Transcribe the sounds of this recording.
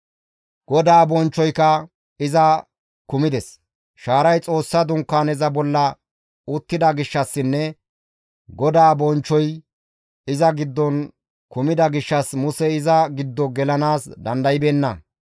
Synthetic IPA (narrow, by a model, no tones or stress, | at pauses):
ɡ̥ɔd̪aːbɔnt͡ʃːɔjkɐ | ɪzɐ | kʊmɪd̪ɛs | ʃaːɾɐjt͡sʼo̞ːsːɐd̪ʊŋkːaːnɛzɐbɔlːɐ | ʊt̪ːɪd̪ɐɡɪʃːɐsːɪnːɛ | ɡɔd̪aːbɔnt͡ʃːɔj | ɪzɐɡɪd̪ːɔn | kʊmɪd̪ɐɡɪʃːɐsmʊsɛɪzɐɡɪd̪ːɔɡɛlɐnaːsd̪ɐnd̪ɐjɪbeːnːɐ